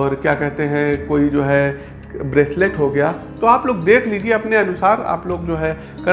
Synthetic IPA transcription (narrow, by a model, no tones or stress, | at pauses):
ɔːɾkjaːkɛɦt̪eɦɛ̃koːid͡ʒoːɦɛ | bɾɛːsleʈɦoɡɐjaː | t̪oaːploːɡd̪eːkʰliːd͡ʒieɐpneɐnʊsaːɾa̰ːploːɡd͡ʒoːɦɛ | kɐ